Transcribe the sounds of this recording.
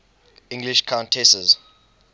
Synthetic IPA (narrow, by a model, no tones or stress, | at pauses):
ĩŋɡliʃkʰãʊ̃ntʰɛsəz